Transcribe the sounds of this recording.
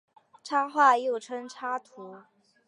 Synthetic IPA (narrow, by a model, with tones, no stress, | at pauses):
ʈ͡ʂʰa˥xwa˥˧jo˥˩ʊʈ͡ʂʰɤ˥ŋʈ͡ʂʰa˥t̪ʰu˧˥